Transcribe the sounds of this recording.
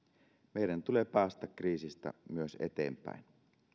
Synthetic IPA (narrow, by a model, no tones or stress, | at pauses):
meiɾænt̪ulepæːst̪ɑkriːsist̪æ̰myøsḛt̪ḛːmpæ̰in